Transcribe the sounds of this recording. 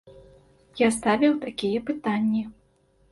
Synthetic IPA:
jast̪avʲɛwt̪akʲijɛpɨt̪anʲːi

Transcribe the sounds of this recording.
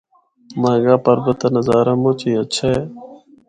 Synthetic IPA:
mãːɡaːpəɾbət̪ɐnəzaːɾaːmõːt͡ʃiːət͡ʃʰaeː

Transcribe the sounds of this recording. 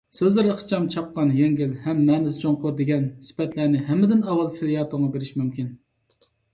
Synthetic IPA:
søzlɪɾɪχt͡ʃʰɑmt͡ʃʰɑp̚qɑnjɛŋɡʲilhɛmːɛnɪzd͡ʒoŋqʊɾd̪eɡʲɛnsy̥pɛt̪læɾnɪɦɛmːɪd̪ɪnɑwɑlˠfilijɑːt̪ʰoŋɑbeɾɪʃmymkʲin

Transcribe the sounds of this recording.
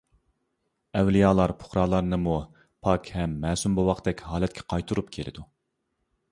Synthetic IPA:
ɛwlijɑːlˠɑɾpʰo̥χɾɑːlˠɑɾnɨmu | pʰɑkʲhɛmːɛːsumbowɑqd̪ɛkʲɦɑːlɛt̪̚kʲʰɛ̥qʰɑjt̪ʰuɾupkʲʰelɪ̰d̪u

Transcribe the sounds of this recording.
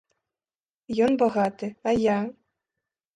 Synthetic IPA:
jɔnbaɣat̪ɨaja

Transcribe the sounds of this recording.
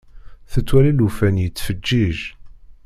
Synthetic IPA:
θət͡sːwælilufænjət͡sːfəd͡ʒːiʒ

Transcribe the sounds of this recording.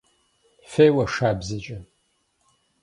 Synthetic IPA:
fejwɐʂaːbzɐt͡ʃʼɐ

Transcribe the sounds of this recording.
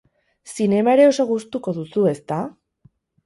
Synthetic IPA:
sine̞mae̞ɾe̞o̞so̞ɣust̪uko̞ðusue̞st̪a

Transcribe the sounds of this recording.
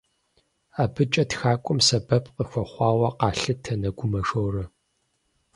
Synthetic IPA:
aːbɨt͡ʃʼɐtxaːkʷʼʊmsɐbɐpʰʼqəxʷɔχʷɑːwɐqɑːɬɨtʰɐnɐɡʷʊmɐʂowrɐ

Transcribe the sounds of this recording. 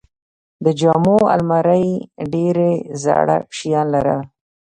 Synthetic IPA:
d̪əd͡ʒɑmoa̰lmaɾajɖeɾeza̰ɽa̰kʃijɑnlaɾə̰

